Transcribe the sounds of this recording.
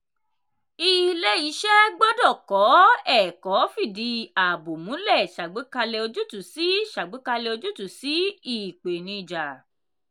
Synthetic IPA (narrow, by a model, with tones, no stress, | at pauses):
i˦˧le˦i˨˦ʃɛ˦ɡ͡bɔ˦dɔ˦˨kɔ˨˦ɛ˦˨kɔ˨˦fi˦˨di˧˦a˨bo˨mũ˨˦lɛ˦˨ʃa˨ɡ͡be˨˦ka˧le˧o˧d͡ʒu˦tu˦˨si˨˦ʃa˨ɡ͡be˨˦ka˧le˧o˧d͡ʒu˦tu˦˨si˨˦i˦˨k͡pe˨nĩ˧i˨d͡ʒa˨